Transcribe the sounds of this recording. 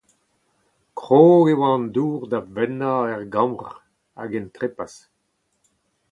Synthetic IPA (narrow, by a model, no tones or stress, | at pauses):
kʁoːewɑ̃nduːʁd̪avɛnaɛʁɡɑ̃mʁ | a̰ɡɛnt̪ʁepas